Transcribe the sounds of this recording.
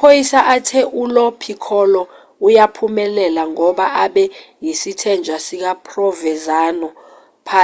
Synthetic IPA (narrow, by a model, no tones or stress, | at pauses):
pʰojisaʔatʰɛʔulɔpʰikʰɔlɔ | ujapʰumɛlɛlaŋɔɓaʔaɓɛjisitʰɛnd͡ʒʱwasik̬apʰrɔvɛzaːnɔ | pʰa